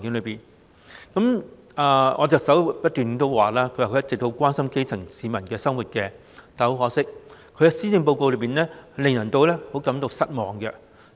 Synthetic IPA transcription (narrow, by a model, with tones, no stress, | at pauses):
ŋkɪ˨˥ŋlɵ˨˧ɥpiː˨˩n | kɐ˨˥m | aː˧ɔ̰ː˨˧t͡sɐ˨˩sɐ˨˥wpɐ˥t̪yː˨n˨t̪o˥wwaː˨˩laː˥kʰɵ˨˧waː˨˩kʰːjɐ˥tt͡sɪ˨k̪̚o˧˥wkʷaː˥nsɐ˥mke˥jt͡sʰɐ˨˩ŋsiː˨˧mɐ˨˩nkɛː˧sɐ˥ŋwuː˨t̚kɛː˧ | t̪aː˨˩ho˨˥wɦɔː˨˥ksɪ˥k̚kʰɵ˨˧ɥkɛ˧siː˥t͡sɪ˧ŋp̬o˧wko˧wlɵ˨˧ɥpiː˨˩nlɛː˥lɪ˨˩ŋnɐ˨˩ŋt̪o˧wlɛː˥ho˨˥wkɐ˨˥mt̪o˧wsɐ˥t̚mɔː˨ŋkɛ˧